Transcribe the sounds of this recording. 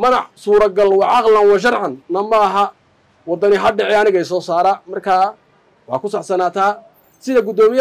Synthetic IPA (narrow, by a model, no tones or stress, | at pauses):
mɐnɑʕsuːɾɐɡɐlwɑʕɑqlɐnwɑʃɐrħɑnːɐmɐːɦɐ | wɑd̪ɐnɪɦɐɖɛʕɛɐnɪɣɛjsɔːsaːɾaːmɐrkʰaː | wɑħɑ̰ːkʰʊsaʕsɐnaːt̪ʰaː | sɪðɐɡʊd̪ɔːmɪj